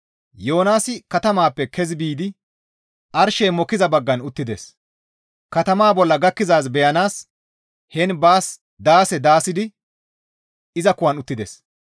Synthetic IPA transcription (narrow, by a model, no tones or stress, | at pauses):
jo̞ːnaːsɪkɐt̪ɐmaːpːɛkʰɛzbiːd̪ɪ | ʔɐɾʃɛːmɔkːɪzɐbɐɡːɐnʊt̪ːɪd̪es | kɐt̪ɐmaːbɔlːɐɡɐkːɪzaːs̬bɛjɐnaːs | hɛnbaːs | d̪aːsɛd̪aːsɪd̪ɪ | ɪzɐkʊwɐnʊt̪ːɪd̪es